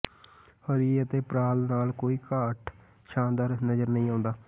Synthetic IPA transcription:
əɾiːət̪eːpɾaːlnaːlkoːiːkaːʈ | ʃãːnd̪aːɾnəzəɾnəĩːãːnd̪aː

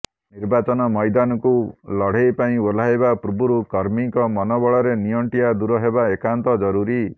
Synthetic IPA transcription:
niɾbat͡ʃɔnɔmɔjd̪anɔkulɔɽ̤ejpaĩol̤ajbapuɾubuɾukɔɾmiŋkɔmɔnɔbɔɭɔɾenijɔɳʈijad̪uɾɔɦebaekant̪ɔd͡ʒɔɾuɾi

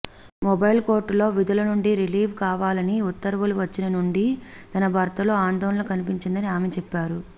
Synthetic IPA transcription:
mɔbɐjlko̞ːɾʈːlo̞ːʋid̪ulɐnuɳɖiɾiliːʋkaːʋaːlɐniut̪ːɐɾɐʋuluʋɐt͡ʃːinɐnuɳɖi | t̪ɐnɐbʱɐːɾt̪ɐlo̞ːaːnd̪ɔːnɐlɐkɐnipiɲt͡ʃind̪ɐniaːmet͡ʃɛpːaːɾu

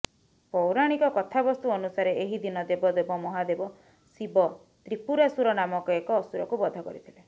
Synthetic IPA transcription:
pɔwɾaɽ̃ikɔkɔt̪ʰabɔst̪uɔnusaɾeeɦid̪inɔd̪ebɔd̪ebɔmɔɦad̪ebɔ | sibɔ | t̪ɾipuɾasuɾɔnamɔkɔekɔːsuɾɔkubɔd̪ʱɔkɔ̰ɾit̪ʰile

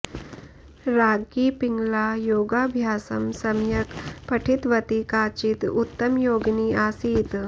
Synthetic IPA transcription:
ɾaɡiːpiŋɡlajoɡabʱjaːsəmsɐmjəkpəʈʰit̪ʋət̪ikat͡ɕit̪ut̪ːəmjoɡniːasiːt̪

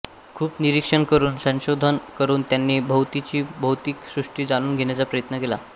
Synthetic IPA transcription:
kʰuːpniɾikʂəɳkəɾuːnsə̃ɕod̪ʱənkəɾuːnt̪janːiːbʱəwt̪it͡ɕiːbʱəwt̪iːksɾuʂʈiːd͡zanuːnɡʱeɳjat͡sapɾəjət̪nəkela

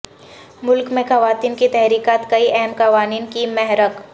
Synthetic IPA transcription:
mʊlkmẽxɐʋaːt̪iːnkit̪ɛɦɾiːkaːt̪kɐiʔɛɦɛmkɐʋaːniːnkimɛɦɾək

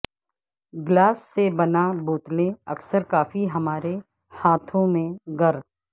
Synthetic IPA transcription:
ɡlaːsːebɐnaboːt̪lẽɐksəɾkaːfiɦɐmaːɾe | haːt̪ʰõmẽɡɐɾ

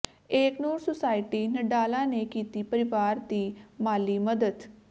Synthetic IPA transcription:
eːknuːɾsʊsaːɪʈiːnəɖaːlãːneːkiːt̪iːpəɾɪʋaːɾd̪iːmaːliːməd̪əd̪

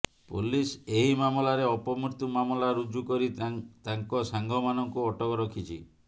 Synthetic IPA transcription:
puliseɦimamɔlaɾeɔpɔmuɾt̪umamɔlaɾud͡ʒukɔɾit̪aŋkɔsaŋɡʱɔmanɔŋkuɔʈɔkɔɾɔkʰit͡ʃʰi

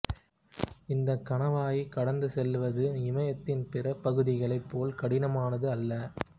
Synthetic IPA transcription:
ɪnd̪ɐkːɐɳɐʋaːjikɐɽɐnd̪ɯsɛlʋɐðɯɪmɐjɐt̪ːɪnpɪrɐpɐɣɯðɪɣɐɭɐɪpːoːlkɐɽɪnɐmaːnɐðɯɐlːɐ

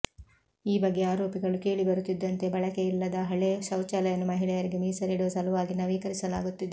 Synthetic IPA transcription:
iːbɐɡːe̞aːɾoːpiɡɐɭuke̞ːɭibɐɾut̪ːid̪ːɐnt̪e̞bɐɭɐke̞ilːɐd̪ɐɦɐɭeʃɐwt͡ʃaːlɐjɐnːumɐɦiɭɛjɐɾiɡe̞miːsɐɾiɽuʋɐsɐluʋaːɡinːɐʋiːkɐɾisɐlaːɡut̪ːid̪e

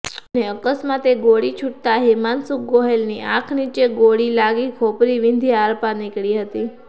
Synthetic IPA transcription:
əneəkəsmãt̪eɡoɽit͡ʃʰuʈ̚t̪aɦiɾmansuk̚ɡoɦelniʔãkʰnit͡ʃeɡoɽilaɡikʰopɾiʋind̪ʱiaɾpanɪkɭiɦət̪i

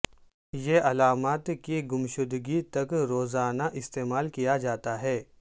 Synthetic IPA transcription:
jeʔɐlaːmaːt̪kiɡʊmʃʊd̪ɡit̪ɐkɾoːzaːnaʔɪst̪eːmaːlkijad͡ʒaːt̪aɦɛː

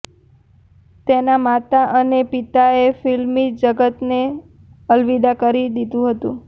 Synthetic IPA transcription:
t̪enamat̪aʔənepit̪aefilmid͡ʒəɡət̪ne | əlʋid̪akəɾid̪id̪ũɦət̪ṵ̃

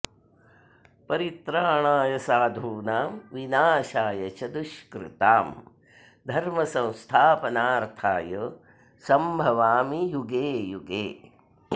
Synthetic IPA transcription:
pɐɾit̪ɾaːɳaːjɐsaːd̪ʱuːnaːmʋinaːʃaːjɐt͡ʃɐd̪uʃkɾɪ̰t̪aːm | d̪ʱɐɾmɐsɐ̃w̃st̪ʰaːpɐnaːɾt̪ʰaːjɐ | sɐmbʱɐʋaːmijuɡeːjuɡeː

